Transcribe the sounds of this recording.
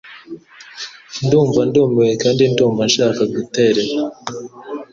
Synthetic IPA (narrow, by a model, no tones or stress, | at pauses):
nduːɱvanduːmewekaːndinduːɱvanʃaːkaɡute̞ɾe̞ɾa